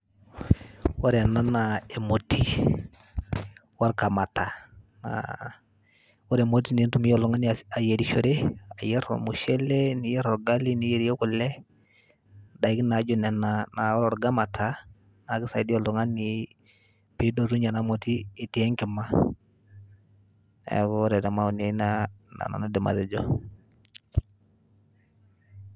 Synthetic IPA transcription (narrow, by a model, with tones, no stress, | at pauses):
wɔ˦ɾɛ˨na˦na˨e˨mo˨ti˦ | wa˦ɾka˨ma˨ta˨ | na̰ | wɔ˦ɾɛ˨mo˦ti˦ni˨˦ntu˨mɪ˦ɔ˨lɔ˨ŋa˦ni˨a˨je˨ɾi˨ʃɔ˨ɾe˦a˨jɛ˦ɾɔ̰˨mu˨ʃɛ˦lɛ˦ni˨jɛ˦ɾɔ˨ɡa˦li˦nɪ˨je˨ɾi˦jɔ˦kʊ˨lɛ˦ | da˨ɪ˦kɪ˦na˨˦d͡ʒɔ˨nɛ˨nana˨ɔ˦lɔ˨ɾɡa˦ma˨tʰa˦ | na˨˦kɪ˦sa˨i˦di˦ɔ˨lɔ˨ŋa˦nɪ˨ | pi˨˦dɔ˨ɾu˦ɲa˨na˦mɔ˨tiː˦˨ti˨ɛ˦ŋkɪ˨ma˦ | ɛ̰kɔ˦ɔ˦ɾɛ˨tɛ˨ma˦u˨nɛ˨˦na˦na̰˨na̰˨na˦dɪ˨ma̰˨ɾɛ˨d͡ʒɔ˦